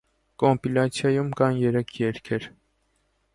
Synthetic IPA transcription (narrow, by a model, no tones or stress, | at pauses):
kɔmpilɑt͡sʰjɑjumkɑnjɛɾɛkʰjɛɾkʰɛɾ